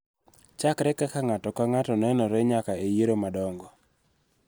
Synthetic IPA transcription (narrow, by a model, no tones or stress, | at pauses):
t͡ʃakɾɛkakaŋatɔkaŋatɔnɛnɔɾɛɲakaejeɾomadɔŋɡɔ